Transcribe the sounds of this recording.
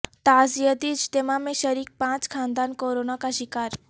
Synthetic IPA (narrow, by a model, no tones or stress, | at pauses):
t̪azijəd̪id͡ʒd̪emamẽʃəɾik̚pãt͡skʰand̪ankoɾonakaʃikaɾ